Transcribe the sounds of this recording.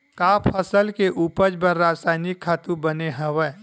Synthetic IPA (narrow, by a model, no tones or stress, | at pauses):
kaːpʰəsəlkeʔuːpəd͡ʒbəɾːaːd͡ʒsaːɪnɪkʰːat̪ũbɐneɦəwə